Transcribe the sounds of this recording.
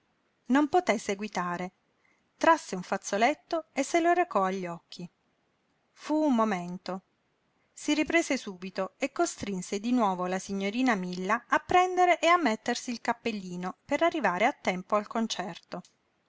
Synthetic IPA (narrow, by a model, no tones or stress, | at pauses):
nompot̪esːeɡwit̪aːɾe | t̪ɾasːeuɱfat̪sːolet̪ːoesːeloɾekɔaʎːɔkʰːi | fuummoment̪o | siripɾeːsesuːbit̪oekːost̪ɾinsed̪inwɔːvolasiɲːoɾiːnamilːaapːɾɛnd̪eɾeʔeamːet̪ːersiːlkapːelːiːnopeɾarːivaːɾeat̪ːɛmpoalkont͡ʃɛrt̪o